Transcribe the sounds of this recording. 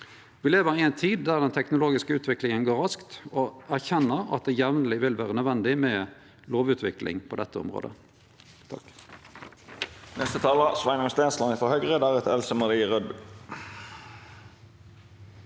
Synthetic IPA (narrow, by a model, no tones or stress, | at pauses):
ʋɪleːʋəʁɪɛɪnt̪ʰiːd̪̚ːæːʁd̪ɛnt̪ʰɛknʊloːɡɪskəʉːt̪ʰʋɪklɪŋənɡoːʁɑskt̪oæʁçɛnːəʁɑ̰t̪̚d̪eːjɛʋnəlɪʋɪlʋæːʁənœʋɛnd̪ɪmɛ | loːʋʉːt̪ʰʋɪklɪ̰ŋpʰɔd̪ɛt̪ːəɔ̰mʁo̰ːd̪ə̰ | t̪ʰɑ̰k | nɛst̪ət̪ʰɑːlɑsʋæɪnəmst̪eːslɑnɪfɔhœɡʁəd̪æʁɛt̪ɛlsəmɑʁd̪iʁœd̪̚b